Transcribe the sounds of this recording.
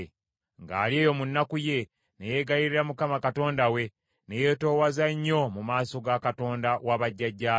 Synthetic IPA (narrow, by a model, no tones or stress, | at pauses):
ŋɡa̰ːlie̞ːjo̞munːakuje̞ | neje̞ɡajiɾiɾamukamakato̞ːndawe̞ | neje̞ːto̞ːwazaɲːo̞mumaːso̞ɡakato̞ːndawaβaɟːaɟːa